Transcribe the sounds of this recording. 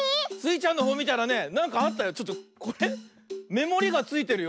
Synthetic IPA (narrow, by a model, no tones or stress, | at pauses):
sɨit͡ɕãnːo̞ɦoːmʲit̪aɾane̞nãŋkaːt̪ːajo̞t͡ɕo̞t̪ːoko̞ɾe̞ | me̞mo̞ɾʲiɡat͡sɨit̪e̞ɾɯ̟jo